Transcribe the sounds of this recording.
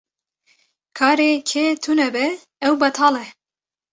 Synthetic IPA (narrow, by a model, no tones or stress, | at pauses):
kʰɑːɾeːkʰeːt̪ʰunɛbɛ | ɛwbɛt̪ʰɑːlɛ